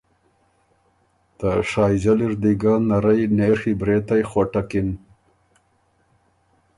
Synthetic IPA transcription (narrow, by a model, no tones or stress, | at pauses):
t̪aʂɑːjzaliɾd̪iɡanaɾajneːɾxibɾeːt̪ajxwaʈakin